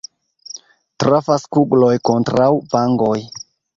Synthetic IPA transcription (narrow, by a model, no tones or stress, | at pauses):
tɾafaskuɡlojkontɾawbaŋɡoj